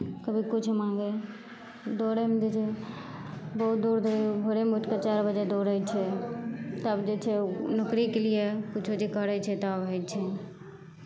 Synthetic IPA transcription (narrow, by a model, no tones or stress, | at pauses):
kəbʱikut͡ʃʰmãɡe | d̪oɾemed͡ʒet͡ʃʰɛ | bəɦut̪̚d̪uɾd̪ʱoɾbʱoɾemuʈkat͡ʃaɾbəd͡ʒed̪oɾət͡ʃʰɛ | t̪əbd͡ʒet͡ʃʰɛnəkɾikeliekut͡ʃʰod͡ʒikəɾɛt͡ʃʰɛt̪abɦəjt͡ʃʰɛ